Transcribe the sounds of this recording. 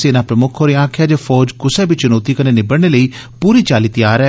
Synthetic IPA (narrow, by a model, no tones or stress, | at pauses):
seːnaːpɾəmʊkʰoːɾeãːkʰjaːd͡ʒeːfʰɔːd͡ʒkʊsɛːbit͡ʃʊnoːt̪iːkəneːnɪbəɽɽ̃eːləiːpuːɾiːt͡ʃaːliːt̪ijaːɾɛː